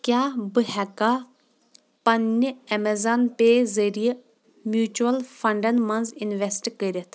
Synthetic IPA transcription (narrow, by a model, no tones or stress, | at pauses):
kjaːbɨɦɛka | pɐnːəɛmezaːnpezəɾijə | mjuːt͡ʃuɐlfʰɐɳɖɐnmɐnzɪnʋesʈkəɾet̪ʰ